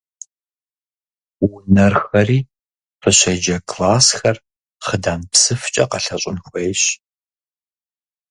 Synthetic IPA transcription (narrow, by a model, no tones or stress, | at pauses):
wʊnɐrxɐriː | fɨɕɐd͡ʒɐkʰlaːsxɐr | χədaːnpsɨft͡ʃʼɐqɐɬɐɕʼʊnxʷejɕ